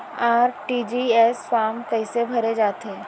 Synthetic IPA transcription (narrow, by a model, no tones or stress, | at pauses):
aːɾʈiːd͡ʒiɛːsfaːmt̪ɐɪsebʱɐɾed͡ʒaːt̪eː